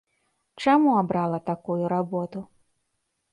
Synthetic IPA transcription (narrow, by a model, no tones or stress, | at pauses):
t͡ʂamuabɾalˠɐt̪akujuɾabɔt̪ʊ